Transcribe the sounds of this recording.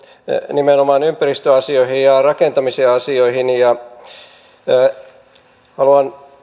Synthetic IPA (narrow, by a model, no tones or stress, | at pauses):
nimenomɑnympærist̪øɑsioihijjɑrɑkent̪ɑmiseɑsioihinjɑ | hɑluɑn